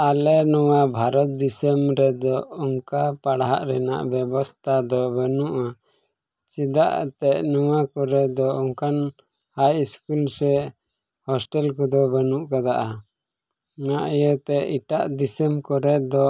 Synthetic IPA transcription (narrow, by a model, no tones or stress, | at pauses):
alɛnɔwabʱaɾɔt̪̚d̪isəmɾɛd̪ɔɔŋkapaɽɦaʔɾɛna̰ʔbɛbɔst̪ʰad̪ɔbənuʔa | t͡ʃid̪aʔt̪ɛʔnɔwakɔɾɛd̪ɔɔŋkan | hajiskulsɛ | hɔsʈɛlkɔd̪ɔbənuʔkad̪aʔa | naʔjət̪ɛʔiʈaʔd̪isəmkɔɾɛd̪ɔ